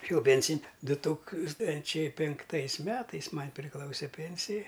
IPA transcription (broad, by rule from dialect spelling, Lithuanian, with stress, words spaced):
ɪʃʲeːˈjɛʊ ˈpʲeːnʲsʲɪnʲ ˈdʊ ˈtuːkstɐnʲt͡ʃʲɛɪ pʲɪŋkˈtɐɪsʲˈmʲæːtɐɪs ˈmɐnʲ pʲrʲɪˈklˠɐʊsʲɛ ˈpʲeːnʲsʲɪjɛ